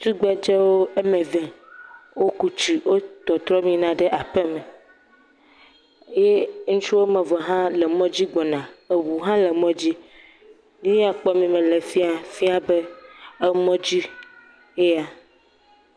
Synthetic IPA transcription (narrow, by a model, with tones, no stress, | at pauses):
t̪u˦ɡ͡bɛ˦d͡ʒɛ˦wo˦e˦mɛ̃˨vɛ̃˨wo˦ku˦t͡ʃi˨wo˦t̪ɔ˨t̪ɾɔ˦mĩ˦nã˦ɖɛ˦ʔa˨pɛ˦me˨˦ | je˦ŋũ˦t͡ʃu˦wo˦mɛ̃˨vɔ˨ɦã˦lɛ˨mɔ̃˦d͡ʑi˦ɡ͡bɔ˨nã˨e˨wu˨ɦã˦lɛ˨mɔ̃˦d͡ʑi˦ | nĩ˦a˨k͡pɔ˦mĩ˨mẽ˨le˨fi˦a˨fi˦a˨be˦e˦mɔ̃˦d͡ʑi˦ | e˦a˨